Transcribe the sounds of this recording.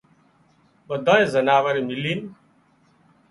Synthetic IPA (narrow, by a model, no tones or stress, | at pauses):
ɓəd̪ʱãːẽːzənaːʋəɾimɪliːn